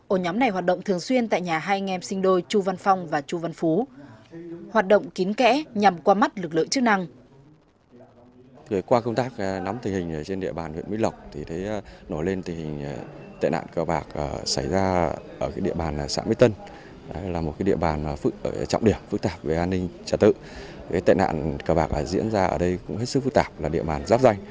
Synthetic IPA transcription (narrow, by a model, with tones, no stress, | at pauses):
ʔo˧˩ɲɔ˨˦mna˨˩jɦwaː˨˩t̚ɗə̰˧˨ŋ͡mt̪ɨ˨˩əŋswi˧ənt̪a̰ː˧˨jɲaː˨˩ɦaː˧jŋɛ˧msï˧ŋɗo˧jt͡ɕu˧va˧nfa˧wŋ͡mvaː˨˩t͡ɕu˧va˧nfu˨˦ | hwaː˨˩t̚ɗə̰˧˨wŋ͡mki˨˦nkɛ̰˧˥ɲa˨˩mkwaː˧ma˦˥t̚lɨ˨˩k̚lɨ̰˧˨ŋt͡ɕɨ˦˥k̚na˧ŋ | ə˨˦kwaː˧kə˧wŋ͡mt̪aː˦˥k̚nɔ˨˦mt̪i˨˩ŋhï˨˩ŋ̟ː˨˩t͡ɕe˧nɗḭ˧˨əɓaː˨˩nhwḭ˧˨ənmḭ˧˦˥lə˨˩wk͡p̚t̪ʰi˨˩t̪ʰe˨˦˧no˧˩jle˧nt̪ʰi˨˩hï˨˩ŋ̟˨˩t̪ḛ˧˨jna̰ː˧˨nkəː˨˩ɓaː˨˩k̚əː˧˩sa˧˩jzaː˧ʔəː˧˩kaː˨˦jɗḭ˧˨əɓaː˨˩nː˨˩sa̰ː˧˥˦mi˧˦t̪ə˧n | a˨˦laː˨˩mo˨˩kaː˨˦jɗḭ˧əɓaː˨˩n˨˩fɨ˦˥k̚ːt͡ɕɔ̰˧˨wŋ͡mɗi˧˩əmfɨ˦˥k̚t̪aː˨˩p̚ve˨˩ʔaː˧nːï˧ŋt͡ɕəː˧˩t̪ɨ̰˧˨ | kaː˨˦jt̪ḛ˧˨na̰ː˧˨nkəː˨˩ɓaː˨˩k̚ʔəː˧˩zḭ˧˥ənzaː˧ʔə̰ː˧˩ɗə˧jkʊ̰˧˥ŋ͡mhe˦˥t̚sɨ˦˥k̚fɨ˦˥k̚t̪aː˧˨˩p̚laː˨˩ɗḭ˧˨əɓaː˨˩nzaː˦˥p̚za˧jŋ̟